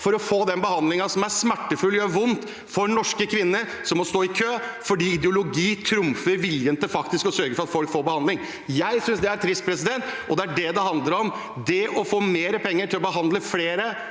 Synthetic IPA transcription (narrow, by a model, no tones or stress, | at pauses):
fɔɾɔfoːd̪ɛnbəhɑnd̪lɪŋɑsɔmæɾsmæʈːəfʉlːjæʋʊnt̪ | fɔɾnɔʂkəkʰʋɪnːəɾ | sɔmːɔst̪oːɪkʰøːfɔɖiːɪd̪jʊlʊɡiːt̪ʰɾʊmfəɾʋɪljənt̪əfɑk̚t̪ɪskɔsœɾɡəfɔɾɑt̪fɔlkfoːɾbəhɑnd̪lɪŋ | jæɪsʏnsd̪ɛæɾt̪ʰɾɪst̪̚pʰɾɛsɪd̪ɛnt̪ | ɔd̪ɛæɖɛd̪ɛɦɑnd̪ləɾɔm | d̪ɛʔɔfoːmeːɾəpʰɛŋːəʈʰɪlɔbəɦɑnd̪ləfleːɾə